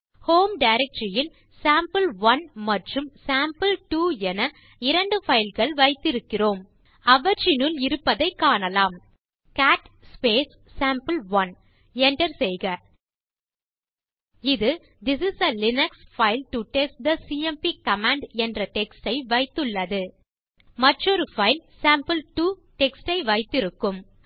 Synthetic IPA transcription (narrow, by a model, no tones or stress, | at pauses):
hoːmɖɐɪɾɛk̚ʈɾɪjɪn | saːmpɨlʋɐnmɐʈrɯmsaːmpɐlʈuːɛnɐ | ɪɾɐɳɖɯfɐɪlɣɐɭʋɐɪt̪ːɪɾɯkːɪroːm | ɐʋɐɾt͡ʃɪnɯlɪɾɯpːɐðɐɪkːaːɳɐlaːm | kaːʈ | speːsːaːmpɐlʋɐn | ɛnʈɐɾsɛjɣɐ | ɪðɯ | d̪ɪsɪsɐlɪnɐksfɐɪlʈuʈɛs̚d̪ɐsiːɛmpikɐmãːɳɖɛndrɐʈɛksʈɐɪʋɐɪt̪ːɯɭːɐðɯ | mɐʈrɔɾɯfɐɪlsaːmpɐlʈuːʈɛksʈɐɪʋɐɪt̪ːɪɾɯkːɯm